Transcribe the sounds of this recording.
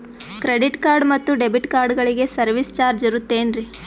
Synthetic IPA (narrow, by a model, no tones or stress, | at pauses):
kɾe̞ɖiʈkaːɾɖmɐt̪ːuɖebiʈkaːɾɖɡɐɭiɡe̞sɐɾʋist͡ʃaːɾd͡ʒiɾut̪ːe̞ːnɾi